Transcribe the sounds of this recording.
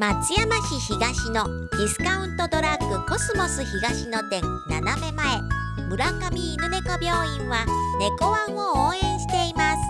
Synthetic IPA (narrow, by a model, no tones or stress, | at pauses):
mat͡sɨjamaçiçiɡaɕino̞ | d̪̥ʲisɨ̥kaɯ̟̃nt̪o̞d̪o̞ɾakːɯ̟ko̞sɨmo̞sɨçiɡaɕino̞t̪ẽ̞nnaname̞mae̞ | mɯ̟ɾakamʲiːnɯne̞kobʲjo̞ːĩɰ̃βane̞ko̞βãɰo̞oːẽ̞ɰ̃ɕi̥t̪e̞imasɨ̥